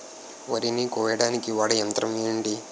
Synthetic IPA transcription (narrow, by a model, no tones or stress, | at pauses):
ʋɐɾinikɔːjɐɽaːnikiʋaːɽɐjɐnt̪ɾɐmeːɳɖi